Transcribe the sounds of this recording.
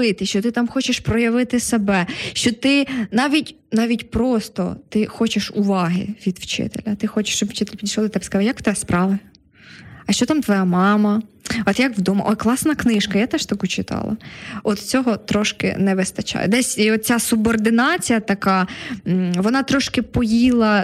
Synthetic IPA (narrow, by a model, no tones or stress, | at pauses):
ɪt̪ɪʃt͡ʃɔt̪ɪt̪ɑmxɔt͡ʃɪʃpɾɔjɐʋɪt̪ɪsebɛʃt͡ʃɔt̪ɪnɑʋʲitʲ | nɑʋʲitʲpɾɔst̪ɔ̰t̪ɪxɔt͡ʃɪʃʊʋɑɦɪ̰ʋʲid̪wt͡ʃɪ̰t̪ḛlʲɐt̪ɪxɔt͡ʃɪ̥ʃt͡ʃɔbʋ̥t͡ʃɪt̪eɪlʲpʲid̪ʲiʃlˠlˠit̪ɛbɛskɐzljɐkt̪ɛspɾɑʋɐ | ɐʃt͡ʃɔt̪ɑmt̪ʋɔjamɑmɐ | ɔt̪jakʋd̪ɔmɐ̰ʔɔklˠɑsnɐknɪʃkɐjat̪ɛʃt̪ɐkut͡ʃɪt̪ɑ̰lˠɐ̰ɔt̪t͡sʲɔɦɔt̪ɾɔʃkɪ̰nɛʋɪst̪ɐt͡ʃɑ̰jɛ̰d̪ɛsʲiɔt̪̚t͡sʲasubɔrd̪ɪnɑt͡sʲijɐt̪ɐkɑ | ʋɔnɑt̪ɾɔʃkɪpɔjilˠɐ